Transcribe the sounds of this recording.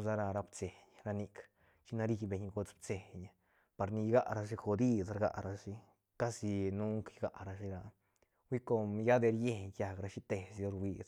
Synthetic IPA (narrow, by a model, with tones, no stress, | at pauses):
sa˧ɾa˧ɾa˧bt͡se˨ɲɾa˧ni˧k | t͡ʃi˦na˧ɾi˧be˧ɲɡo˧t͡sb̚t͡se˨ɲa˧ | pa˧ɾni˧jɡa˦ʔɾa˧ʂi˧xo˧d̪i˦sɾɡa̰˨˧ɾa˧ʂi˧ | ka˦si˧nu˦ŋkjɡa̰˧ʔɾa˧ʃi˧ɾa˧ | wi˦ko˧mja˦d̪e˧ɾje˦ɲja˧kɾa˧ʃi˦t̪e˨sjo˧ɾwʷi˧s